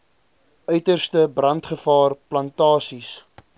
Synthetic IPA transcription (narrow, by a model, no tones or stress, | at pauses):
ʔœɥtərstəbrɐntχəfɑːrplɐntɑːsis